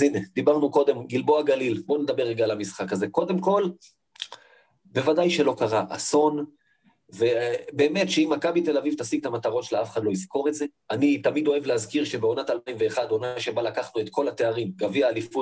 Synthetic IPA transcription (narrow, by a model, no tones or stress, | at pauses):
zined̪̥ibaʁnuko̞d̪e̞mɡilboaɡalilbo̞ned̪abe̞ʁeɡaːlamisχakaze̞ko̞d̪e̞mko̞l | be̞vadajʃe̞lo̞kaʁaʔa̰so̞n | ve̞be̞ːme̞tʃeimːakabit̪e̞lavivt̪asiɡ̚t̪amat̪aʁo̞tʃelafeχad̪lo̞izko̞ʁe̞tze̞ | anit̪amido̞e̞vlehazkiʁʃe̞beo̞nat̪alpajimve̞ːχad̪o̞naʃe̞balakaχnuet̪kʰo̞lat̪e̞aʁimɡaviaːlifut